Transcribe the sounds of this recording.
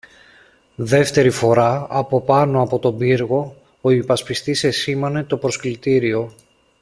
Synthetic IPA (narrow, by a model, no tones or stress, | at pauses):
ðe̞ft̪e̞ɾifo̞ɾɐɐpo̞pɐno̞ɐpo̞t̪o̞biɾɣo̞ | oipɐspist̪ise̞simɐne̞t̪o̞pɾo̞sklit̪iɾio̞